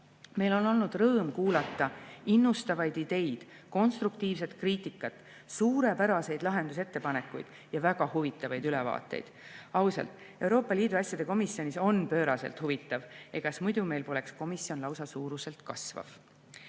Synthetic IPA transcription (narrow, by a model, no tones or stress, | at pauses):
me̞jlo̞no̞lnud̪̥rɤːmkuːlɑt̪ˑːɑinːust̪ɑvɑjd̪id̪̥e̞jd̪̥ | ko̞nst̪ɾukt̪iːvs̬e̞t̪kriːt̪ˑikːˑɑt̪ | suːɾe̞pæɾɑse̞jd̪lɑɦe̞nd̪̥uset̪ːe̞pɑne̞kːˑujd̪̥ | jɑvæɡ̥ɑhuvit̪ːˑɑvɑjd̪ylɛvɑ̰ːt̪ːˑe̞̰jd̪̥ɑwsɑ̰lt̪ˑ | e̞wɾo̞ːpːˑɑliːd̪uɑsʲjɑd̪̥e̞ko̞misjo̞niso̞npø̞ːɾɑselt̪huvit̪ːˑɑvekɑsmujd̪̥ume̞jlpo̞le̞ksko̞misio̞nlɑwsɑsuːɾuse̞lt̪kɑsvɑ̰v̥